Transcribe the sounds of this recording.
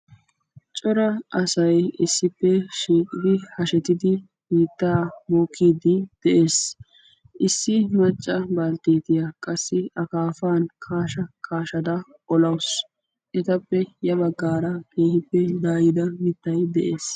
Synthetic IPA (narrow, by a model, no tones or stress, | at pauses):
t͡ʃʼɔɾɐʔɐsɐjɪsːɪpːɛʃiːkʼɪd̪ɪhɐʃɛt̪ɪd̪ɪ | biːt̪ːaːboːkʰːiːd̪ɪd̪̥ɛʔe̞ːs | ʔɪsːɪmɐt͡ʃʼːɐbɐlt̪eːt̪ɪjɐkʼɐsːɪʔɐkaːfaːnkʰaːʃɐkʰaːʃɐd̪ɐ | ʔɔlɐws | ʔɛt̪ɐpːɛjɐbɐɡːaːɾɐke̞ːhɪpːɛd̪aːjɪd̪ɐmɪt̪ːɐjd̪ɛʔe̞ːs